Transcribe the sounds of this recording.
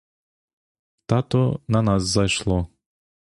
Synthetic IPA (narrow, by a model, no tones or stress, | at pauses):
t̪at̪ɔnɐnasːɐjʃlˠɔ